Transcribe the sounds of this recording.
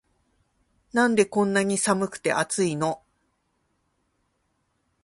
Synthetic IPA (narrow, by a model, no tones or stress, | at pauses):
nãnd̪e̞kõ̞nːaɲ̟isamɯ̟kɯ̟̥t̪e̞̰ʔat͡sɨino̞